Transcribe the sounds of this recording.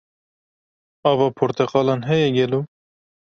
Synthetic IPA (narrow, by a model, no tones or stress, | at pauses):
ɑːvɑːpʰoɾt̪ʰɛqɑːlɑːnɦɛjɛɡɛluː